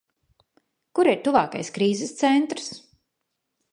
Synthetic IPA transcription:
kuɾiɾt̪uvaːka̰jskɾiːzɛst̪sɛnt̪ɾs

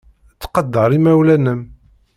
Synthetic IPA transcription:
t͡sːqɑd̪ːɑɾˤimæwlænəm

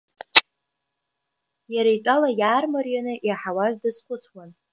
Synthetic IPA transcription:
jaɾajtʼalajaːrmarjanɨʔiaħawazdɨzχʷʊt͡sʰwan

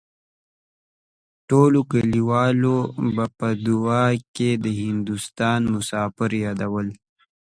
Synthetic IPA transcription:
ʈolokəliwɑlobapəd̪ʊɑked̪əhɪnd̪ust̪ɑːnmʊsɑːfɪɾjɑd̪awəl

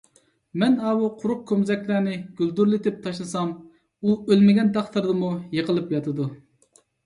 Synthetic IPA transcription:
mɛnɑːwuqʰʊɾʊq̚kʲʰømzɛkʲlæːnɪɡ̥ʲyld̪uɾlɪt̪ɪp̚t̪ʰɑʃlˠɨsɑm | uølmɪɡʲɛnt̪ɑχt̪ʰɨɾd̪ɨmujəqʰəlˠɨpjɑt̪ʰɨd̪u

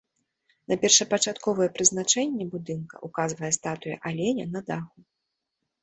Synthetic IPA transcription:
nɐpʲɛrʂɐpɐt͡ʂat̪kɔvɐjɛpɾɨznat͡ʂɛnʲːɛbud̪ɨnkɐ̰ʔukazvɐjɛst̪at̪ujɐ̰ʔalʲɛnʲɐnɐd̪axu

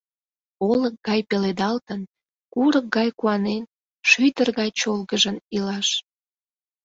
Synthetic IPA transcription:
olək̚ɡɑjpeled̪ɑlt̪ən | kuɾək̚ɡɑjkuɑnen | ʃyd̪ərɣɑjt͡ɕolɣəʒənilɑʃ

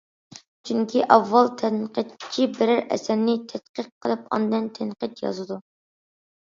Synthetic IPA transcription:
t͡ʃʰyŋkʲʰiʔɑvːɑlˠt̪ʰɛnqʰət̪t͡ʃʰibɪɾɪɾʔɛ̰sæɾnɪt̪ʰɛt̪qəqʰːəlˠɨpɑ̰nd̪ɨnt̪ʰɛnqət̪jɑ̰zɨd̪u

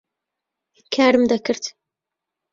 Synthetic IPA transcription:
kʰaːɾɨmd̪ɐkɨɾt̪

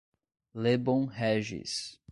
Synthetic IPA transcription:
lebõw̃ɦɛʒḭs

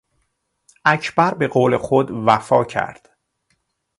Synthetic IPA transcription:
ʔæcʰb̥æɾbe̞ɣoːle̞xod̪væfɒːcʰæ̰ɾd̪̥

